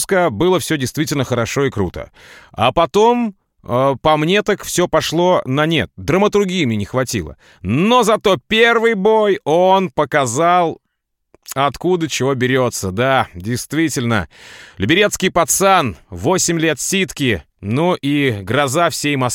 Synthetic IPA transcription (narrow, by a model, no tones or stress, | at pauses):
skəbɨlˠəfsʲɵdʲɪjst̪vʲitʲɪlʲnəxəɾɐʂo̞ɪkɾṵt̪ə̰a̰pɐt̪o̞m | əpɐmnʲe̞t̪akfsʲɵpɐʂlˠo̞nɐnʲet̪̚d̪ɾəmət̪ʊrɡʲijəmnʲenʲɪxvɐtʲḭlˠə̰ | no̞zɐt̪o̞pʲe̞rvɨjbo̞jonpəkɐzalˠ | ɐt̪kud̪ət͡ɕɪvo̞bʲɪɾʲo̞t̪səd̪adʲɪjst̪vʲitʲɪlʲnə̰lʲɪbʲɪɾʲet̪skʲɪjpɐt̪sanvo̞sʲɪmʲlʲe̞t̪sʲit̪kʲɪ | nuʔiɡɾɐzafsʲejmɐs